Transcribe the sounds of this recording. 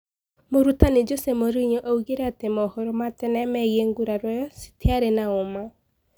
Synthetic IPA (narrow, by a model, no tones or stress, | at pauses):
moɾutaned͡ʒosemoɾiɲoʔauɣeɾɛatemɔhɔɾɔmatɛnɛmɛɣieŋɡuɾaɾwɛjɔsi̥teaɾenaoma